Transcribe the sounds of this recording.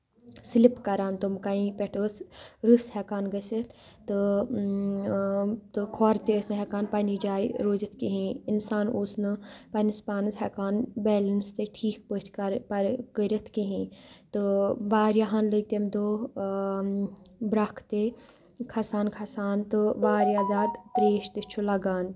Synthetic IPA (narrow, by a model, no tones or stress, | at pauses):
slipkɐɾaːnt̪umkaĩpʲɛʈəsɾushɛkaːnɡəsit̪ʰ | t̪ɨ | t̪ɨkʰoːɾt̪eəsnɨɦɛkaːnpanid͡ʒaːiɾoːd͡ʒɐt̪ʰkiɦĩinsaːnoːsnɨpɐnispaːnɨt̪ɦɛkaːnbɛːlɐnst̪eʈʰiːk̚pət̪ʰkɐɾpɐɾkəɾʲɐt̪ʰkiɦĩːt̪ɨʋaːɾjaɦaːnlət̪emd̪oː | bɾɐkʰt̪e | kʰɐsaːnkʰɐsaːnt̪ɨʋaːɾjaːzaːd̪p̪ɾeːʃt̪ɨt͡ʃʰulɐɡaːn